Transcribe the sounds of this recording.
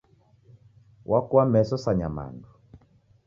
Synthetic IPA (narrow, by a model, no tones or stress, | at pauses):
wʔakuamɛsɔsaɲama̰ndu